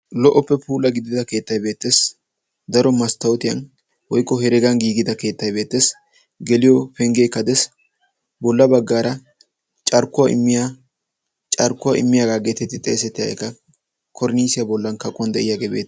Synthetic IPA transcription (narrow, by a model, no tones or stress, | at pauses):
lɔʔɔpːɛpʰuːlɐɡɪd̪ɪd̪ɐke̞ːt̪ːɐjbe̞ːt̪ːe̞ːs | d̪ɐɾɔmɐst̪ːɐwɔt̪ɪjɐ̰n | wɔjkːɔhɛɾɛɡɐnɡiːɡɪd̪ɐke̞ːt̪ːɐjbe̞ːt̪ːeːs | ɡɛlɪjɔpɛŋɡeːkːɐd̪ɛs | bɔlːɐbɐɡːaːɾɐ | t͡ʃʼɐɾkːʊwaʔɪ̰mːɪja | t͡ʃʼɐɾkːʊwaʔɪ̰mːɪjaːɡaːɡeːt̪ɛt̪ːɪt̪ʼḛːsɛt̪ːɪjɐ̰ɛ̰kːɐ | kʰɔɾniːsɪjabɔlːɐnkɐkʼʊwɐnd̪ɛʔɪjaːɡeːbeːt̪ː